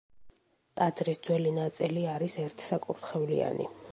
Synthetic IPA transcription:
t̪ʼad̪ɾisd̪zwɛlinat̪sʼiliaɾisɛɾt̪ʰsakʼuɾt̪χɛvlḭa̰nḭ

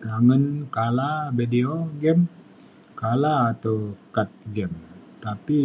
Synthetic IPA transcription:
taŋənkalabideoɡɛm | kalaːt̪akat̪̚ɡɛmt̪api

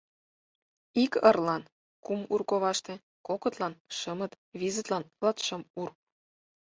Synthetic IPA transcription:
ikɤrlɑn | kumurkoβɑʃt̪ĕ | kokə̆t̪lɑnʃəmə̆t̪ | βizə̆t̪lɑnlˠɑt̪ʃɤ̆mur

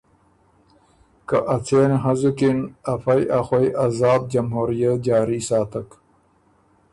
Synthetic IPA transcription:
kɐʔɐt͡sʰeːnɦɐzukinɐfɐjʔaxojʔɐzaːb̚d͡ʑɐmɦuːɾijɐt̪̚d͡ʑaːɾisaːt̪ɐk

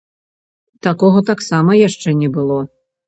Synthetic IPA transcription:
t̪akɔɣɐt̪aksamɐjaʂt͡ʂɛnʲɛbɨlˠɔ

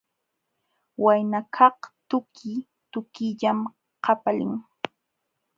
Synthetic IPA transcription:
wajnakʰɑht̪ʊkʰɪ | t̪ʊkɪʎam | qʰɑpalɪ̰ŋ

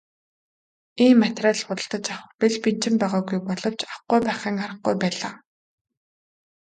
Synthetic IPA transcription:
iːmːat̪raːɮχʊt̪ə̆ɬt̪ə̆t͡ɕaχpiɮpin̥t͡ɕɪ̆mpæːʁaːɡujpɔɮɞ̆w̥t͡ɕaχɡujpæːχiːŋaɾə̆χ̚ɡujpæːɮaː

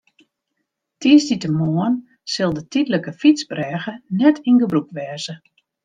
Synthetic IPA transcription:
tiəsditəmoən | sɪlˠdətidləkəfit͡sbrɛːɣənɛtʰinɡəbrukʋɛːzə

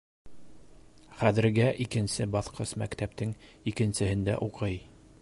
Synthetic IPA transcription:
χæðɘ̆ɾɡæʔikɘ̆nsɘbɑθqɤsmækt̪æp̚t̪ɘŋikɘ̆nsɘ̆ɦɘnd̪æ̰ʔuqɤj

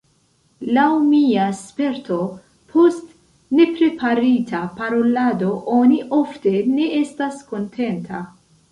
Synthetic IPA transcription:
lawmiaspe̞ɾtʰo̞ | pʰo̞st | ne̞pɾe̞pʰaɾitʰapaɾo̞lado̞ʔoniʔo̞fte̞ne̞e̞stasko̞ntʰe̞ntʰa

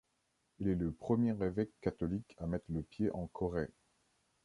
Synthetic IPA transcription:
ilɛləpχəmjeʁevɛkːat̪ɔlikamɛt̪χləpjeʔɑ̃kʰɔʁɛ

